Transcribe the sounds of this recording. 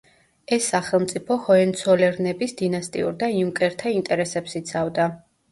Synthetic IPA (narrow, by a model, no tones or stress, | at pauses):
ɛsːaχɛlˠmt̪sʼipʰɔhɔɛnt̪sʰɔlɛɾnɛbisd̪inast̪ʼḭṵɾd̪aiumkʼɛɾt̪ʰaint̪ʼɛɾɛsɛpsit̪sʰavd̪a